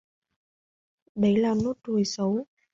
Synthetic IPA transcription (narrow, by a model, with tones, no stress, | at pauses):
ɗə˨˦jlaː˨˩no˦˥t̚tu˨˩əjsə˨˦w